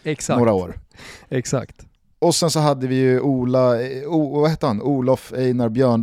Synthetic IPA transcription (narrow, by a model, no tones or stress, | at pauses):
ɛnoːɾaoːɾɛksa̰kt̪ | ɔsɛnsɔɦad̪ːəvɪjɵʔuːlauːvaheːt̪əhanuːlɔfɛjnaɾbjœːɳɖ